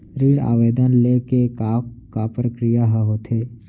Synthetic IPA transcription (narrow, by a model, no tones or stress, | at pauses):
ɾiːɽa̰ːʋeːd̪ənlekekakapɾəkɾijaɦəɦot̪ʰeː